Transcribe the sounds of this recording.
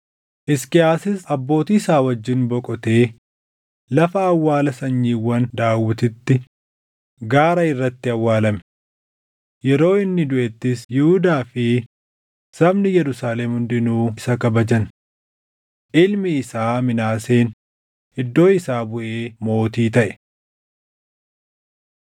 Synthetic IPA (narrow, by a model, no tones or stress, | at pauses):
ʔɪskɪaːsɪsɐbːo̞ːt̪iːɪsaːwɐd͡ʒːɪnbɔkʼɔt̪e̞ː | lɐfɐːwːaːlɐsɐɲːiːwːɐnd̪aːwːɪt̪ɪt̪ːɪ | ɡaːɾɐɪrːɐt̪ːɪɐwːaːlɐm | jɛɾo̞ːɪnːɪd̪ʊʔɛt̪ːɪsjɪhʊd̪aːfɪ | sɐbnɪjɛɾʊsaːlemhʊnd̪ɪnuːɪsɐkɐbɐd͡ʒɐn | ʔɪlmɪːsaːmɪnaːseːn | ɪd̪ːo̞ːɪsaːbʊʔeːmo̞ːt̪iːt̪ɐʔɛ̥